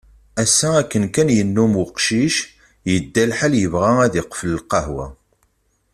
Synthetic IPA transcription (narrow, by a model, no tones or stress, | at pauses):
æsːæækːənkænjənːumʊqʃiʃ | jəd̪ːælħaljəvʁææðɪqfələlqɑhwæ̰